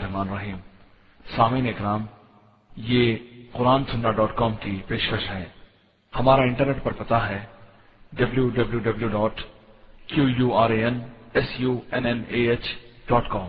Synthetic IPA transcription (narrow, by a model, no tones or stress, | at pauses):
ɾɦmaːnɾɐɦiːm | saːmiːneːkɾaːm | jeːqʊɾaːnsʊnɖaɖɔːʈkɔːmkipeːʃkəʃɦɛ̃ː | hɐmaːɾaɪ̃ɳʈəɾneːʈ̚pɐɾpɐt̪aɦɛː | ɖɐbljuɖɐbljuːɖɐbljuɖɔːʈkjuːjuːaːɾeːɛnɛsjuːɛnɛneːeːt͡ʃɖɔːʈkɔːm